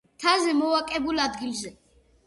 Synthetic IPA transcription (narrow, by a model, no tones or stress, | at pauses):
t̪ʰazɛmɔwakʼɛbulad̪ɡilzɛ